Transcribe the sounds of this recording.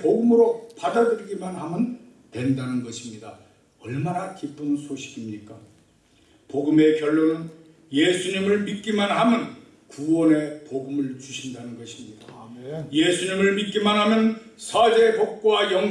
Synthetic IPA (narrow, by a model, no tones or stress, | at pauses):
poɡɯmɯɾopadadɯɾiɡimanɦamɯn | twe̞ndanɯnɡʌɕʰimɲida | ʌɭmanakip͈ɯnsʰoɕʰi̥ɡimɲik͈a | poɡɯme̞kjʌɭːonɯn | jesʰuɲimɯɭmit̚k͈imanɦamɯn | kuwʌne̞poɡɯmɯɭt͡ɕuɕʰindanɯnɡʌɕʰimɲid̥ajesʰuɲimɯɭmit̚k͈imanɦamjʌn | sʰʌd͡ʑe̞kok̚k͈wajʌŋ